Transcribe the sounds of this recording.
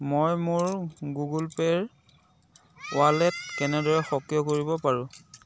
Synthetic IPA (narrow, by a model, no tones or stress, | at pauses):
mojmʊɹɡuɡulpɛɹ | walɛt̚kɛnɛdɔɹɛxɔkjɔkoɹibɔpaɹʊ̃